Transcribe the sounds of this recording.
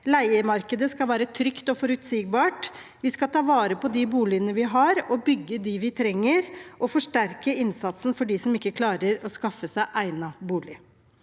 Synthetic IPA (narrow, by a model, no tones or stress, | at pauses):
læɪəmɑɾkəd̪əskɑlʋæːɾət̪ʰɾʏkt̪ɔfɔɾʉt̪siːɡ̚bɑːʈ | ʋɪskɑt̪ʰɑːʋɑːɾəpɔd̪ibuːlɪənəʋɪɦɑɾɔbʏɡːəd̪ɪʋɪt̪ʰɾɛŋːəɾʔɔfɔʂʈæɾkəɪnsɑt̪sn̩fɔɖiːsɔmɪkːəkʰlɑːɾəɾɔskɑfːəsæɪʔæɪnɑbuːlɪ